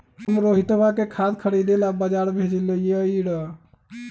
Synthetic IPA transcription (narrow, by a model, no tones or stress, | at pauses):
əmɾoɦit̪bakekʰad̪kʰəɽid̪elabəd͡ʒaɾbʱed͡ʒileijeəiɽə